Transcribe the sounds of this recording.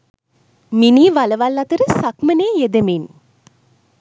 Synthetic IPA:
miniːʋaləʋalːat̪əɾəsakməneːjed̪emin

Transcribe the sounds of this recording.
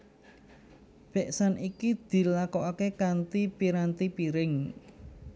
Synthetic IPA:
b̥ɛʔsanikid̪̥i̤lakɔʔakekant̪ipiɾant̪ipiɾɪŋ

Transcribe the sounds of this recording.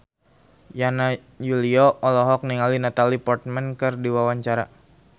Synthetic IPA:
jana | juliɔɔlɔɦɔk̚niŋalinat̪alipɔrt̪̚mɛnkɨrdiwawaɲt͡ʃaɾa̰

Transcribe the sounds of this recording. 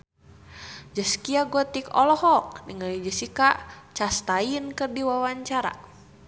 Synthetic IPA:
d͡ʒəskiaɡɔt̪ikɔlɔɦɔk̚nəŋalid͡ʒəsikaʔt͡ʃast̪ainkɨrdiwawaɲt͡ʃaɾa̰

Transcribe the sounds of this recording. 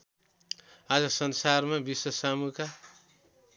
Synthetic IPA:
ad͡zʌsʌnsarmabiswʌsamuka

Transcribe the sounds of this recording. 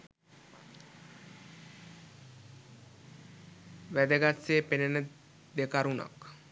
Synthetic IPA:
ʋæd̪əɡasːeːpenenə | d̪ekaɾuna̰k

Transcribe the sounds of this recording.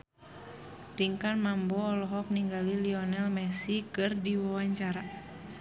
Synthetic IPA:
piŋkanmambɔːlɔɦɔk̚niŋɡaliliɔnɛlmɛsikɨrdiwawaɲt͡ʃaɾa

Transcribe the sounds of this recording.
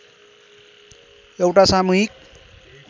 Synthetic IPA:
ewʈasamuɦik̚

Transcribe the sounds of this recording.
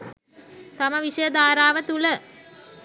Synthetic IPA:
t̪aməʋiʂəjəd̪aːɾaːʋət̪ulə

